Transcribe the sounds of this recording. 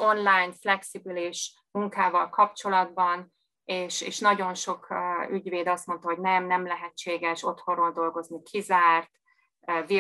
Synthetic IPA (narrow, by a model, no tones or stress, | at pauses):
o̞nlaːnflɛksibiliʃ | muŋkaːvɒlkɒpt͡ʃo̞lɒd̪bɒn | eːʃḛːʃnɒɟo̞nʃo̞kːyɟveːd̪ɒst̪mo̞nt̪ɒɦo̞ɟnɛmnɛmlɛɦɛt͡ʃːeːɡɛʃo̞t̪ho̞roːld̪o̞lɡo̞znikʰizaːrt̪ | vi